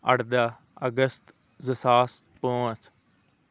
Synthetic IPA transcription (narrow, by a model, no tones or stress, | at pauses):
əɽd̪aː | əɡəst̪ | zəsaːs | põːəs